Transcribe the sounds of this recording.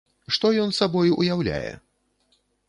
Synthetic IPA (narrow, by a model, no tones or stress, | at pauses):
ʂt̪ɔjɔnsabɔjuʔujawlʲa̰jɛ̰